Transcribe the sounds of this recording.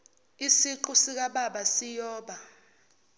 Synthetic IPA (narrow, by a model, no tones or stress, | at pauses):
isiǃusik̬ʼaɓaɓasijɔːɓa